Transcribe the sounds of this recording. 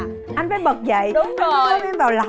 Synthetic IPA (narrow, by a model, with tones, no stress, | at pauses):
ʔa˧jŋ̟faː˨˦jɓə˨˩t̚zə̰˧˨jɗʊ˨˧˦ɔ˨˦mi˧nvaː˨˩wla˨˩